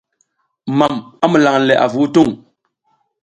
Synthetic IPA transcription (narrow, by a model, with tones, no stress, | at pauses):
ma˨ma˦mu˨la˨ŋ˨lɛ˨ʔa̰˨vu˨˦tu˦˨ŋ